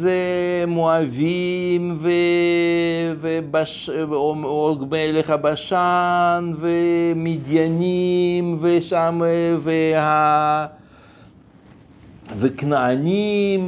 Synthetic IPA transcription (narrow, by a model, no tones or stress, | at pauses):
zemoavimve | vebaʃ | oɡmeleχabaʃanvemid̪janimveʃamveha | veknaanim